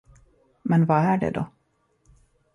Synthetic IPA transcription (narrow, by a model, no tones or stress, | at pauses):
mɛnvaæɖɛ̰d̪ɔ̰